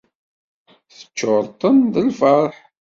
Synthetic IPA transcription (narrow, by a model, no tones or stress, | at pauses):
θə̥t͡ʃːoɾˤt̪ˤənðəlfəɾˤħ